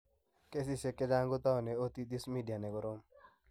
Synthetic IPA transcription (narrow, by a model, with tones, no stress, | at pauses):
ke˦si˦se˦kːe˦d͡ʒa˦ŋɡo˦t̪a˦˨ne˨o˦t̪i˦d̪i˦smi˦dija˨ne˨kɔ˦ɾo˦m